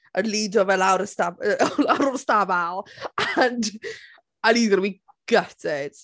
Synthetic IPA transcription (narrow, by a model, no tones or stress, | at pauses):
əlidɔvɛlawɾəstaəalawɾʊstabalˠand | aniːðɔɾwi | ɡ̥ətʰɪd̥